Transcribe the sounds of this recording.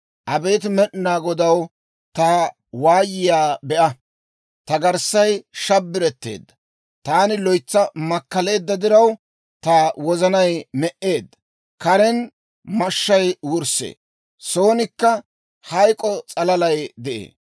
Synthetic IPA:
ʔɐbe̞ːt̪̬ɪmɛɗɪnaːɡɔd̪ɐw | t̪ɐ | waːjɪjaːbɛʔɐ | t̪ɐɡɐɾsːɐjʃɐbːɪɾɛt̪ːe̞̰ːd̪ːɐ̥ | t̪aːnɪlɔjt͡sːɐmɐkːɐle̞ːd̪ːɐd̪ɪɾɐw | t̪awɔzɐnɐjmɛʔe̞ːd̪ːɐ | kɐɾɛn | mɐʃːɐjwʊɾsḛː | so̞ːnɪkːɐ | hɐjkʼɔt͡sʼɐlɐlɐjd̪ɛʔḛː

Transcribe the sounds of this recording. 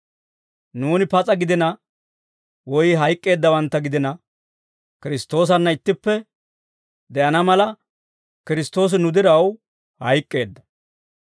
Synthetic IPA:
nuːnɪpɐt͡sʼɐɡɪd̪ɪnɐ | wɔjɪɦɐjkʼːe̞ːd̪ːɐwɐnt̪ːɐɡɪd̪ɪnɐ | kɪɾɪst̪ːo̞ːs̬ɐnːɐɪt̪ːɪpːɛ | d̪ɛʔɐnɐmɐlɐ | kɪɾɪst̪o̞ːs̬ɪnʊd̪ɪɾɐw | hɐjkʼːe̞ːd̪ːɐ

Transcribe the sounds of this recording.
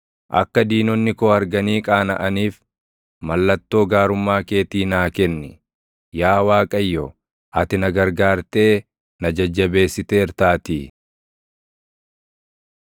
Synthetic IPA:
ʔɐ̰kːɐd̪iːnɔnːɪkoɐɾɡɐniːkʼaːnɐʔɐniːf | mɐlːɐt̪ːo̞ːɡaːɾʊmːaːke̞ːt̪iːnaːkɛnːɪ | jaːwaːkʼɐjːɔ | ʔɐt̪ɪnɐɡɐɾɡaːɾt̪e̞ː | nɐd͡ʒɐd͡ʒːɐbe̞ːsːɪt̪e̞ːɪɾt̪aːt̪iː

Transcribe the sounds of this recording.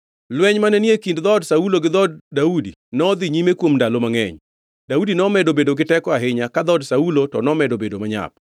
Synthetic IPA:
lwɛɲmanɛniekindd̪ɔdsauloɡɪd̪ɔd̚ːaudinɔd̪iɲimekwomndalomaŋɛ̰ɲ | daudinɔmɛdobedoɡɪtɛkɔaɦɪɲakad̪ɔdsaulotɔnɔmɛdobedomaɲa̰p̚

